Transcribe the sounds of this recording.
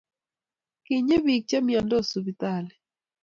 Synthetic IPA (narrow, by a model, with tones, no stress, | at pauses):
ki˨ɲe˦bi˨k̚t͡ʃa˦mjɔ˨ndɔ˦˨su˨bi˨t̪a˦˨lɛ˨